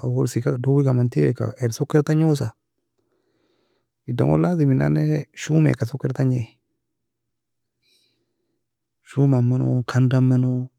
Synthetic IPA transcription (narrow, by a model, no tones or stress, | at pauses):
awoɾsikadowikamantika̰eɾsokːɛɾtaɲos̬a | ida̰ŋo̰lːazimina̰nɛʃumḛkasokːɛɾtaɲe | ʃumamːɛno̰kʰandamːɛno